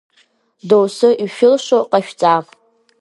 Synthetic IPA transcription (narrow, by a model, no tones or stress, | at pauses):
dowsɨʔiʃᶣʊlʃoqʼaʃᶣt͡sʼa